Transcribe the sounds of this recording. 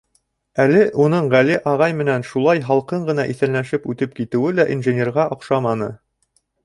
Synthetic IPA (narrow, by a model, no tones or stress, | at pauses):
ælɘʔunɤɴʁæliʔɑʁɑjmɘ̆nænʃulˠɑjɦɑlˠqɤɴɢɤ̆nɑʔiθæ̆nlæʃɘpʉt̪ɘp̚kit̪ɘ̆wɘlæʔinʒɘ̆nʲerʁɑʔŏqʃɑmɑnɤ